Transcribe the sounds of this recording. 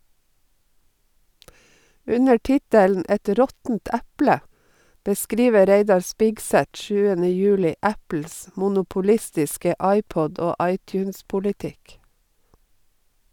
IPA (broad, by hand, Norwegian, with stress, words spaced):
ˈʉnə ˈʈɪtəln̩ ˈɛt ˈɾɔtn̩t ˈæplə bəˈskɾiːʋəɾ ˈɾeɪdɑɾ ˈspɪksæt ˈʃʉːənə ˈjʉːlɪ ˈæpl̩s mʊnʊpʊˈlɪstɪskə ˈɑɪˌpɔd ˈoː ˈɑɪˌtjʉːnspʊlɪˌtɪk